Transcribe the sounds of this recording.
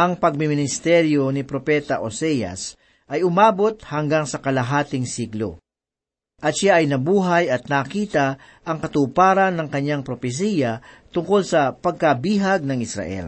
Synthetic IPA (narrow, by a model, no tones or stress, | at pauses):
ʔɐŋpɐɡ̚mɪmɪnɪst̪ɛɾjo̞nɪpɾopɛt̪ɐʔosɛjɐ̰s | ʔɐjʊmaːbo̞t̪̚hɐŋɡaŋsɐkɐlɐɦaːt̪ɪŋsiɡlo̰ | ʔɐt̪ʃaʔɐjnɐbuːɦɐjɐt̪̚nakiːt̪ɐ | ʔɐŋkɐt̪uːpaːɾɐnːɐŋkɐɲːaŋpɾopɛs̬iːjɐt̪ʊŋko̞lsɐpɐɡ̚kɐbiːɦɐɡ̚nɐŋɪsɾɐ̰ʔɛ̰l